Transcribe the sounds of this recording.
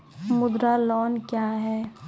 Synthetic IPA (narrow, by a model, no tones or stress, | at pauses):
mʊd̪ɾalɔːnkjaːɦɛː